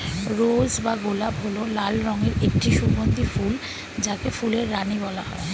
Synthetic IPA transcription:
ɾod͡ʑbaɡolabɦololalɾɔŋeɾek̚ʈiʃubond̪iful | d͡ʑakefuleɾːanibɔlaɦɔ̰e

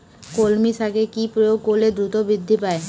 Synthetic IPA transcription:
kolmiʃʰakekipɾojoɡ̚koled̪ɾut̪obɾid̪ʱːipae

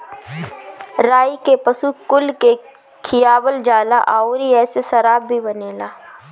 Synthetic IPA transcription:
ɾaːikepəsukʊlke | kʰɪjaːbəld͡ʒaːlaʔaːoɾiɛːsesɐɾaːbːʱibɐneːlaː

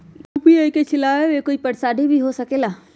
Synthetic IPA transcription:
upiəket͡ʃʰɪlaːʋewekoːipɐɽsaːɖʱibʱiɦosɐkeːlaː

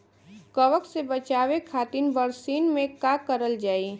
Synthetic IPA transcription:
kəʋəksebət͡ʃaːʋekʰaːt̪inbəɾsiːnmẽkakəɾəld͡ʒaːi

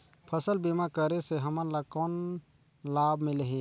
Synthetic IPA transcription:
pʰəsəlbimakəɾeseɦəmənlakɔn | labmɪleɦe

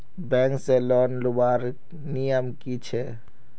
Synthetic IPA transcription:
bɛ̃ːŋkselɔnlubaːɾ | nijəmkit͡ʃʰɛ

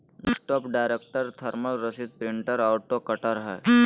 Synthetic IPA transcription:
sʈɔːpɖaːɪɾeːk̚ʈəɾt̪ʰəɾməlɾəsid̪̚pɾɪ̃ɳʈəɾaʊʈokəʈəɾɦɛ̰ː

